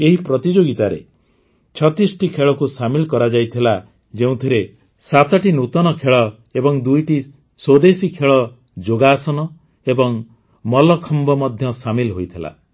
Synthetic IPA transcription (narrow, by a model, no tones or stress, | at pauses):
eɦipɾɔt̪id͡ʒoɡit̪aɾḛ | t͡ʃʰɔt̪isʈikʰeɭɔkusamilkɔɾad͡ʒajt̪ʰila | d͡ʒeũt̪ʰiɾe | sat̪ɔʈinut̪ɔnɔkʰeɭɔ | ebɔŋd̪ujʈi | swod̪esikʰeɭɔ | d͡ʒoɡasɔnɔ | ebɔŋ | mɔlɔkʰɔmbɔmɔd̪ʱjɔsamilɦojt̪ʰila̰